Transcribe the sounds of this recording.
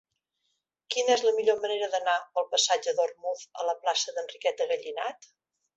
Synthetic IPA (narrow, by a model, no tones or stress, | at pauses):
kinəɛzləmiʎoməneɾəðənapəlˠpəsad͡ʒəðormufə̰ləplasəðənrikɛt̪əɣəʎina̰t̪